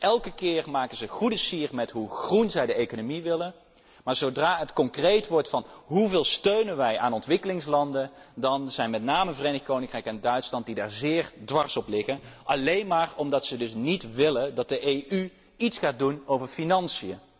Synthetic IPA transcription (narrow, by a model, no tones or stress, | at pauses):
ʔɛlˠkəkɪːrmaːkənzəχudəsiːrmɛtɦuχrunzɛjdəejkonomiʋɪlən | maːɹzowdraːɦətkɔŋkrejtʋɔɹtfɑnɦuvɪːlˠstøɥnənʋɛja̰ːnɔntʋɪkəlɪŋslɑndəndɑnz̥ɛjnmɛtnaːməvrejnɪxkownɪŋkrɛjkɛndœɥtslɑnt̚didaːɹzɪːɹdʋɑɹsɔplɪɣənʔɑlejnmaːrɔmdɑtsədɵsnitʋɪləndɑt̚dəʔejʔy | itsχaːt̚dunowvəɹfinɑnsijə